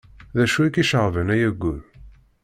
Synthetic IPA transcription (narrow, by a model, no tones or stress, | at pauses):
ðæʃuækiʃəʁvənæjæɡːuð